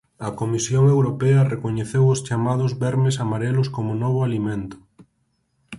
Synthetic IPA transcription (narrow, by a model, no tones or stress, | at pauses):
ɐkomisjoŋewɾopɛɐrekoɲeθewost͡ʃamað̞ʊzβɛɾmesamaɾɛlʊskomonɔβ̞oalimẽnt̪ʊ̥